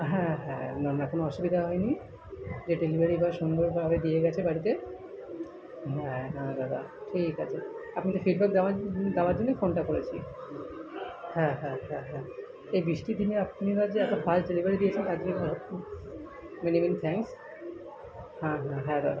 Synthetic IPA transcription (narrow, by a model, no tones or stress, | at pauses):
ɦɛ̃ɦɛ̰̃nanakonoɔʃubid̪ʱaɦɔeni | d͡ʑeɖelibʱaɾibʱaʃond̪obʱabed̪ieɡɛt͡ɕʰebaɽit̪e | ɦɛ̃nad̪ad̪a̰ʈʰikat͡ɕʰeapnit̪efiɖ̚bɛk̚d̪aad̪abaɾd͡ʑonːefonʈakoɾet͡ɕʰḭ | hɛ̃ɦɛ̃ɦɛ̃ɦɛ̃ | ejbɾiʃʈid̪ʱineapnibad͡ʑeɛt̪obʰʱalɖelibʱaɾid̪ijet͡ɕʰent̪ad͡ʑinia | menimenit̪ʰɛŋks | ɦãɦɛ̃ɦɛ̃d̪a̰d̪a